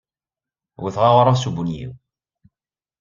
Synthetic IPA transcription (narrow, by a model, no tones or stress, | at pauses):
wiθʁaʁɾˤasubunjḭw